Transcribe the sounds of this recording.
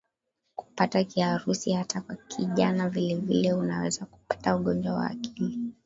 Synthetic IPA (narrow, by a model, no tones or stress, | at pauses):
ku̥patakiaɾusihatakwakʰiʄanavilɛvilɛunawɛzaku̥pḁtauɠɔnd͡ʒwawa̰ːkili